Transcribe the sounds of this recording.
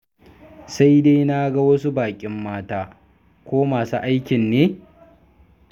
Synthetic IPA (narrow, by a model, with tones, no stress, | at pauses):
sa˦jde˦jna˦ɡa˦wɐ˦su˦baː˨kʲʼɪ˦mːaː˦taː˦ | kʷoː˦maː˨su˦ʔa˦jkʲɪ˨nːeː˦